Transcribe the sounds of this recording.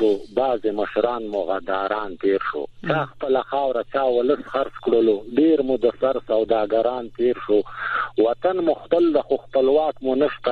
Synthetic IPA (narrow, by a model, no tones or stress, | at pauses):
obɑːzeməʃɾɑːnmʊɣad̪ɑːɾɑːnt̪eːɾʂo̰t͡ʃɑːxpəlaxɑːwɾat͡ʃɑːwʊləsxaɾt͡skɽəloɖeɾmud̪əsaɾsawd̪ɑːɡaɾɑːnt̪eːɾʂowat̪anmʊxt̪əld̪axoxpəlwɑːkmunəʃt̪a